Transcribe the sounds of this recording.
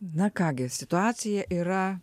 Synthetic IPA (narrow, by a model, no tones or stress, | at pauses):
nɐkɑːɡʲɪsʲɪt̪ʊɑːt̪sʲɪjɛʔiːɾɐ